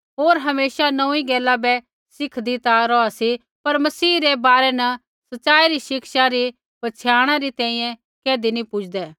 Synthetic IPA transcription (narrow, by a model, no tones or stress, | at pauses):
ɦoːɾɦɐmeːsanɐ̃ĩɡɛːlːabɛ | sɪkʰd̪it̪aɾɔasi | pɐɾmɐsiːɾɛbaːɾɛnɐ | sɐtːsaːiɾiʃɪkʃaɾi | pɐt͡ʃʰjaːɽ̃aɾit̪ɛ̃ːĩːjɛ̃ | keːd̪inĩpʊt͡ʃʰd̪ɛː